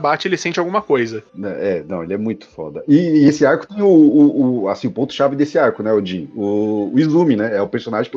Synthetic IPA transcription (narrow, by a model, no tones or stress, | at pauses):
bat͡ʃɪelɪsẽnt͡ʃɪawɡũmɐkojzɐnɛɛnɐ̰̃w̃elɪɛmũj̃t̪ʊ̥fɔ̰d̪ɐʔɪesɪaɾkʊ̥t̪ẽj̃ʊːa̰sĩʊpõt̪ʊ̥ʃavɪd̪esɪaɾkʊnɛod͡ʒĩʊːizũminɛɛʊpeɾsonaʒẽk